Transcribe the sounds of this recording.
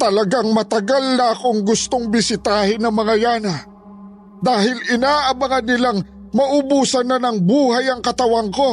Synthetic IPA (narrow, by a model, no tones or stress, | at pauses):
t̪ɐlɐɡaŋmɐt̪ɐɡalnɐɐkoŋɡʊst̪oŋbɪsɪt̪aːhɪnɐŋmɐŋajaːnɐ | d̪aːɦɪlɪnaːʔɐmɐŋanːɪlaŋ | mɐʔʊbuːsɐnːɐnɐŋbuːhajɐŋkɐt̪ɐwaŋko̞